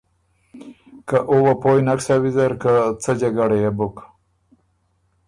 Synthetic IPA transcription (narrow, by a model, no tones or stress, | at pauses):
kaʔuwapojnaksawizaɾkat͡səd͡ʒaɡaɽejabʊk